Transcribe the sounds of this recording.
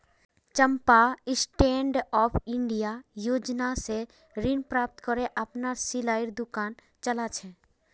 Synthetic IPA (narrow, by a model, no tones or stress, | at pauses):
t͡ʃə̃mpaɪsʈẽːɳɖɔːpʰɪ̃ɳɖijajoːd͡ʒnase | ɾɪnpɾaːp̚t̪kɔɾeʔəpnasilaːɪɾd̪ʊkaːn | t͡ʃəlat͡ʃʰɛ